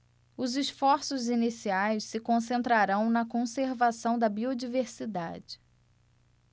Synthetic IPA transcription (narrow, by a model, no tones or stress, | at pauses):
ʊzisfɔɾsʊzinisiajssɪkõsẽnt̪ɾaɾɐ̃w̃nɐkõseɾvasɐ̃w̃d̪ɐbiod͡ʒiveɾsid̪a̰d͡ʒɪ